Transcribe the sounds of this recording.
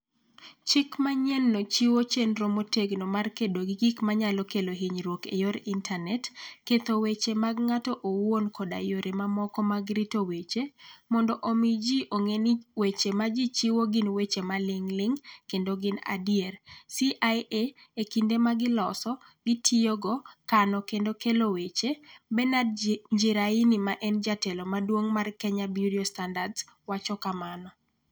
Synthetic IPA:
t͡ʃɪkmaɲɛnːot͡ʃiwot͡ʃenɾomoteɡnomarkedoɡɪɡikmaɲalɔkeloɦiɲɾwokejoɾintʰanɛtket̪owet͡ʃemaɡŋatɔʔowonkʰɔda̰joɾʔemamɔkɔmaɡɾitowet͡ʃemɔndɔʔomid͡ʒiʔoŋeniwet͡ʃemad͡ʒit͡ʃiwoɡɪnwet͡ʃemalɪŋlɪŋkendoɡɪna̰diersiʔajeekindemaɡɪlɔsɔ | ɡɪtʰioɡɔkanɔkendokelowet͡ʃebɛnadɲd͡ʒiɾainimaʔɛnd͡ʒatɛlomadwoŋmarkɛɲabjudiostandadswat͡ʃɔkamanɔ

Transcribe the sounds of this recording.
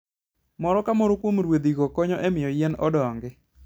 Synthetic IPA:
mɔɾɔkamɔɾokwomɾwod̪iɡokɔɲɔʔemɪjɔjɛnɔdɔŋɡɪ

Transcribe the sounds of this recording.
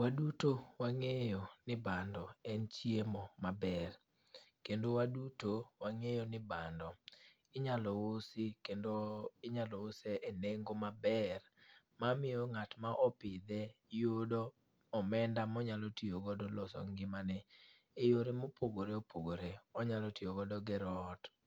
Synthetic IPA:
wadutowaŋejɔnɪbandɔɛnt͡ʃiemɔmabɛr | kendowadutowaŋejɔnɪbandɔ | ɪɲalɔosɪkendoɪɲalɔoseʔeneŋɡomabɛr | mamɪjɔŋatmaʔɔpɪd̪ɛ | jodɔ | ɔmɛndamɔɲalɔtioɡɔdɔlɔsɔ̰ŋɡɪmanɛ | ejoɾemopʰoɡoɾeopoɡoɾeɔɲalɔtioɡɔdɔɡɛɾɔt

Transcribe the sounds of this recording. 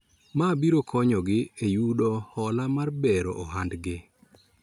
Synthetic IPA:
mabiɾokʰɔɲɔɡɪejudɔhɔlamarbɛɾɔ̰ʔɔɦandɡɪ

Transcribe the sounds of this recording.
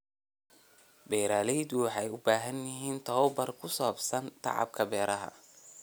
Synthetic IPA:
bɛːɾaːlɛjd̪ʊwɑħɑjʊbaːɦɐnjɪɦiːnt̪ʰɔːwbɐrkʰʊsɔːbsɐnt̪ʰɑ̰ʕɑ̰b̚kʰɐbɛːɾɐɦɐ̰

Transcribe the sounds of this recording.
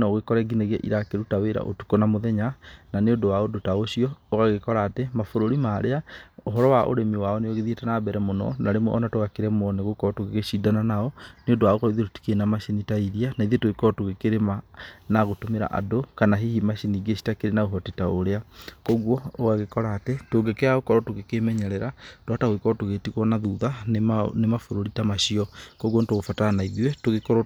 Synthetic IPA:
naoɣekɔɾɛɡineɣa̰ʔḭɾakeɾutaweɾa̰ʔo̰tu̥kɔnamoðɛɲananeondowaodotaoɕiɔoɣaɣekɔɾaːtemafoɾoɾimaɾeaoɦɔɾɔwaʔo̰ɾemiwaɔneoɣeðietanabɛɾɛmonɔ̰naɾemwɔʔɔnatoɣakeɾɛmɔneɣokɔtoɣeɣeɕidananaɔneondowaokɔiðetoti̥kenamaɕenitaiðianaiðetoɣekɔtoɣekeɾemanaɣotomeɾa̰ʔa̰dokanaɦihimaɕiniɡeɕi̥takeɾenaɣoɦɔtetaoɾeakɔɣwɔoɣaɣekɔɾaːtetoɡekeaɣokɔɾɔtoɣekemɛɲɛɾɛɾatwataɣoekɔɾɔtoɣetiɣwɔnaðuðannemafoɾoɾitamaɕiɔkɔɣwɔntoɣofatanaiðiwɛtoɣekɔɾɔ

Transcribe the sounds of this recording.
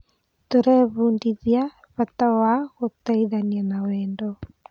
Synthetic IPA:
toɾɛβundiðja | βatawaɣotaiðanianawɛːndo

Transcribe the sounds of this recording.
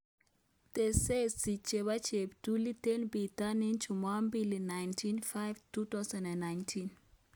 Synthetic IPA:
tesessit͡ʃebat͡ʃep̚dulitenbitanint͡ʃʰumambilinːajntʰinfajvtut̪asãndãnːajntʰin

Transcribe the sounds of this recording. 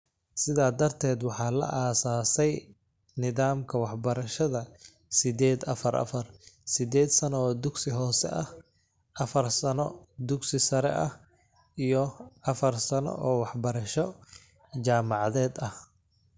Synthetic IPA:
sɪðaːd̪ɐrt̪ʰɛːd̪wɑħɑːlɐ̰ʔaːsaːsɛj | nɪðaːmkʰɐwɑħbɐɾɐʃɐðɐ | sɪd̪ɛːd̪ɐ̰fɐɾɐ̰fɐrsɪd̪ɛːd̪sɐnɔɔːd̪ʊɡsɪɦɔːsɛ̰ʔɐh | ʔɐfɐrsɐnɔd̪ʊɡsɪsɐɾɛ̰ʔɐh | ʔijɔʔɐfɐrsɐnɔ̰ʔɔːwɑħbɐɾɐʃɔ | t͡ʃaːmɑʕɑðɛːd̪ɐh

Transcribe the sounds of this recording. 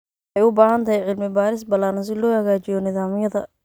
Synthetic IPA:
ɑjʊbaːhɐnt̪ʰɐɦɛjʕɪlmɪbaːɾɪs̬bɐlaːnɐs̬ɪlɔːhɐɣaːt͡ʃɪjɔnɪðaːmɪjɐðɐ

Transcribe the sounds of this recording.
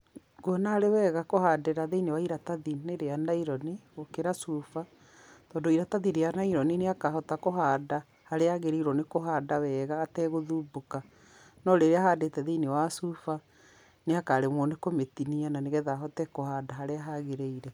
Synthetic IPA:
ɣwɔnaɾewɛːɣakohaːdeɾaðeinewaiɾataðineɾeanaiɾɔneokeɾasufa | tɔːndoiɾataðiɾeanaiɾɔnineakaɦɔtakoɦaːda | haɾeaɣeɾeiɾɔnekoɦaːdawɛɣaːtɛɣoðuːboka | nɔɾeɾeahaːdeːtɛðeinewasufa | neakaːɾemɔnekometiniananeɣɛðaɦɔtɛkohadaɦaɾeaɦaɣeɾeiɾɛ

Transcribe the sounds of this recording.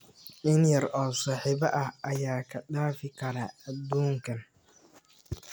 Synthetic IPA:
ʔɪnjɐɾɔːsaːħiːbɐʔɐhɐjaːkʰɐɖaːfɪkʰɐɾaɐd̪uːŋkʰɐn

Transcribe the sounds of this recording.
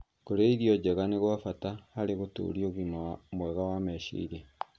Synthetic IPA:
koɾeiðijɔd͡ʑɛɣaneɣwafatahaɾeɣoto̰ɾioɣimamwɛɣawamɛʃḭiɾɛ

